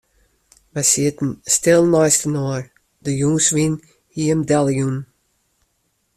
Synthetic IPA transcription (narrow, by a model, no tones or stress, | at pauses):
ʋɛsiətn̩stɪlˠnɔjstənɔːɹ | dəjuːsʋin | hiəmdɛlˠjun